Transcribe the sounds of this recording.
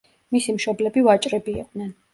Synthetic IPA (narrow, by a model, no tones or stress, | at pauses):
misimʃɔblɛbivat͡ʃʼɾɛbḭːqʼd̪nɛn